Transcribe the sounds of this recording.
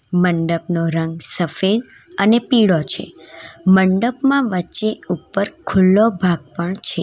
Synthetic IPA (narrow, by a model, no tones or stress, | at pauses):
məɳɖəpnoɾəŋɡsəfed̪ | ənepiɽot͡ʃʰḛməɳɖəpmãʋət͡ʃeupːəɾkʰʊlːobʱaɡ̚pəɳt͡ʃʰe